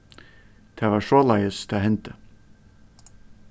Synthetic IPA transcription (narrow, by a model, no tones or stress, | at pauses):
t̪ʰɛːvaʂɔːlajəst̪ʰɪaɦɛnt̪ə